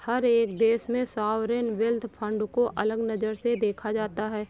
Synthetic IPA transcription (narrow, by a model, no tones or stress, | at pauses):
hɐɾeːkd̪eːsmẽsaːʋɾenʋɛld̪ʰpʰə̃ɳɖkoʔɐləɡnɐzəɾsed̪eːkʰad͡ʒaːt̪aɦɛː